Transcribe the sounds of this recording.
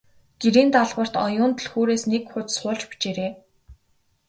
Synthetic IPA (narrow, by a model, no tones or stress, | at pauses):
ɡ̥eɾiːnt̪aɮʁə̆r̥t̪ɔjʊːnt̪̆ɮxuːɾeːsnekxʊt͡ssχʊːɮt͡ɕpi̥t͡ɕeːɾeː